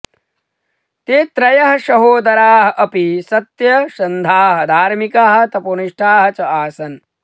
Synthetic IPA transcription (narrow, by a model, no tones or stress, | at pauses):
t̪eːt̪ɾɐjɐɦɐʃɐɦoːd̪ɐɾaːɦɐ̆ʔɐpisɐt̪jɐʃɐnd̪ʱaːɦɐ̆d̪ʱaːɾmikaːɦɐ̆t̪ɐpuniʂʈʰaːɦɐt͡ʃɐaːsɐn